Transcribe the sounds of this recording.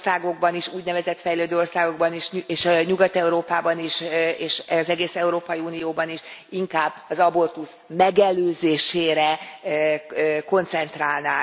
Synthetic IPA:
saːɡo̞ɡ̚bɒniʃuːɟnɛvɛzɛt̪fɛjløːd̪øːo̞rsaːɡo̞ɡbɒniʃeʃɲuɡɒt̪ɛuɾoːpaːbɒniʃeːʃɛzɛɡeːsɛuɾoːpɒjiuːnijoːbɒniʃiŋkaːbːɒzɒbo̞rt̪us | mɛɡɛløːzeːʃeːɾɛ | ko̞nt̪sɛnt̪raːlnaː

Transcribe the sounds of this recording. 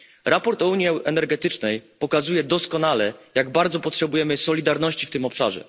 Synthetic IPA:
ɾapɔɾt̪ɔuɲiɛʔɛnɛɾɡɛt̪ɘt͡ʂnɛjpɔkazujɛd̪ɔskɔnalɛjaɡbaɾd̪zɔpɔtʂɛbujɛmɘsɔlʲid̪aɾnɔɕt͡ɕift̪ɘmɔpʂa̰ʐɛ̰

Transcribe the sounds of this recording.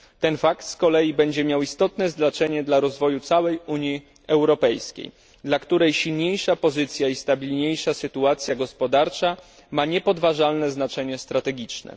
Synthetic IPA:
t̪ɛnfakt̪skɔlɛjibɛɲd͡ʑɛmʲjawist̪ɔt̪nɛzd̪nat͡ʂɛɲɛd̪laɾɔzvɔjut̪sawɛjuɲji | ɛwɾɔpɛjskʲḛj | d̪lakt̪uɾɛjɕilɲejʂapɔzɘt̪sʲjaist̪abʲilɲejʂasɘt̪uat̪sʲjaɡɔspɔd̪aɾt͡ʂa | maɲɛpɔd̪vaʐalnɛznat͡ʂɛɲɛst̪ɾat̪ɛɡʲit͡ʂnɛ̰

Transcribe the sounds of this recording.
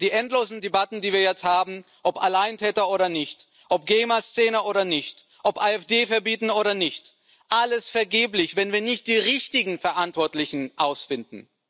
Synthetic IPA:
d̥iːʔɛntloːzn̩debatn̩diːviːɐjɛt͡sthaːbm̩ | ʔɔpa̰laɪəntʰɛːtɐoːɾɐnɪçt | ʔɔp̚ɡ̥ɛɪmast͡sɛːnəʔoːɾɐnɪçt | ʔɔpʔaːɛfd̥eːfɛɐbiːtn̩oːɾɐnɪçt | ʔaləsfɛɐɡeːplɪçvɛnviːɐnɪçt̚d̥iːʁɪçtɪɡŋ̩fɛɐʔantv̥ɔɐtlɪçn̩ʔaʊsfɪndn̩

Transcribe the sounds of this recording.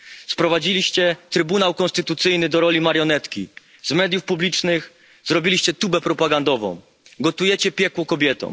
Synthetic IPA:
spɾɔvad͡ʑilʲiɕt͡ɕɛt̪ɾɘbunawkɔ̃nst̪ɘt̪ut̪sɘjnɘd̪ɔɾɔlʲimaɾjɔnɛt̪kʲi | zmɛd̪jufpublʲit͡ʂnɘx | zɾɔbʲilʲiɕt͡ɕɛt̪ubɛpɾɔpaɡand̪ɔvɔ̰̃w̃ | ɡɔt̪ujɛt͡ɕɛpʲjɛkwɔkɔbʲjɛt̪ɔ̰̃w̃

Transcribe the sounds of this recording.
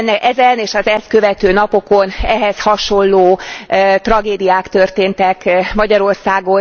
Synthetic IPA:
nːɛʔɛzɛneːʃɒzɛst̪̚kø̞vɛt̪øːnɒpo̞ko̞nɛɦɛshɒʃo̞nloːt̪rɒɡeːd̪ijaːkt̪ørt̪eːnt̪ɛkmɒɟɒɾo̞rsaːɡo

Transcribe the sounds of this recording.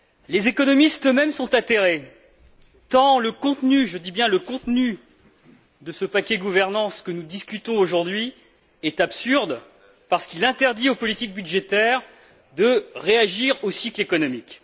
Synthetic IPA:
lezekɔnɔmist̪ømɛmsɔ̃t̪at̪eʁe | t̪ɑ̃ləkɔ̃t̪nyʒəd̪ibjɛ̃ləkɔ̃t̪ny | d̪əsəpakʲɛɡuvɛʁnɑ̃skənud̪iskʲyt̪ɔ̃oʒuʁd̪ɥi | ɛt̪apsyʁd̪ | paʁsə̥kilɛ̃t̪ɛʁd̪iopɔlit̪ik̚byd̪ʒet̪ɛːʁ | d̪əʁeaʒiʁosiklekɔnɔmik

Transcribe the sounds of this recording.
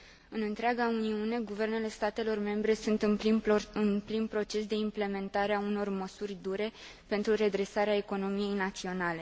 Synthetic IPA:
ɨnɨnt̪ɾeaɡauniune̞ɡuve̞rne̞le̞st̪at̪e̞lo̞rme̞mbɾe̞sunt̪ɨnɨnplinpɾo̞t͡ʃe̞sd̪e̞imple̞me̞nt̪aɾeauno̞rməsurʲd̪uɾe̞ | pe̞nt̪ɾure̞d̪ɾe̞saɾeaeko̞no̞mije̞jnat̪sio̞nale̞

